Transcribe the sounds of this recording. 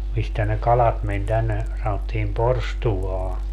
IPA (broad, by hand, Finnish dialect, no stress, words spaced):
mistæ ne kɑlɑt men tænːe sɑnotːiːm porstuwɑː